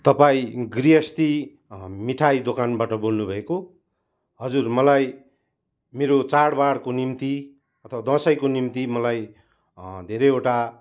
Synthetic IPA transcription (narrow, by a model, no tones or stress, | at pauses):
t̪ʌpaĩɡrijʌst̪i | miʈʰajd̪okanbaʈʌbolnubʱʌeko | ɦʌd͡zurmʌlaj | meɾot͡saɽbaɽkonimt̪i | ʌt̪ʰʌwad̪ʌ̃sʌjkonimt̪imʌlaj | d̪ʱeɾʌeʈa